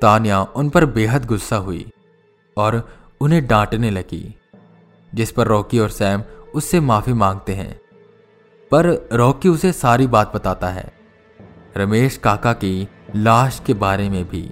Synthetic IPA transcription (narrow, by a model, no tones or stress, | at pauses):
t̪aːnjaʊnpɐɾbeːɦət̪ɡʊsːaɦʊḭ | ɔːɾ | ʊnɦẽɖãːʈnelɐɡḭː | d͡ʒɪspɐɾːɔːkiɔːɾsɛːmʊsːemaːfimãːŋɡ̚t̪eɦɛ̰̃ː | pɐɾɾɔːkiʊsesaːɾibaːt̪̚bɐt̪aːt̪aɦɛ̰ː | ɾɐmeːʃkaːkaki | laːʃkebaːɾemẽbʱḭː